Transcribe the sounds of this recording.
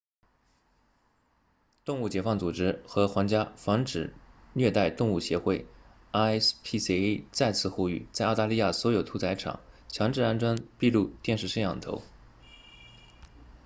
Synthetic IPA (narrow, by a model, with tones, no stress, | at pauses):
t̪ʊ˥˧ŋu˥˩t͡ɕjɛ˧˥fɑ˥˩ŋt͡su˨˩ʈ͡ʂɻ̩˥xɤ˧˥xwɑ˧˥ŋt͡ɕja˥fɑ˧˥ŋʈ͡ʂɻ̩˨˩ | ljɛ˥˧t̪a˥˧ɪt̪ʊ˥˧ŋu˥˩ɕjɛ˧˥xwe˥˩ɪ | a˥spʰi˥˩st͡sa˥˧ɪt͡sʰɹ̩˥˧xu˥˧y˥˩t͡sa˥˧ɪɑ˥˧t̪a˥˧li˥˧ja˥˩swɔ˧˥jo˨˩ʊt̪ʰu˧˥t͡sʰa˧˥ɪʈ͡ʂʰɑ̰˨˩˦ŋt͡ɕʰjɑ˧˥ŋʈ͡ʂɻ̩˥˧a˥˩nʈ͡ʂwa˥npi˥˧lu˥˧t̪jɛ˥˧nʂɻ̩˥˧ʂə˥˧njɑ̰˥˩ŋt̪ʰo̰˧˥ʊ